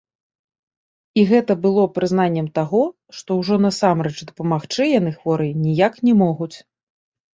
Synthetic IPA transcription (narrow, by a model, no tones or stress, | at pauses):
iɣɛt̪ɐbɨlˠɔpɾɨzn̪anʲːɛmt̪aɣɔ | ʂt̪ɔwʐɔn̪ɐsamɾɛt͡ʂd̪ɐpɐmaxt͡ʂɨjanɨxvɔɾɨnʲijaknʲɛmɔɣut͡sʲ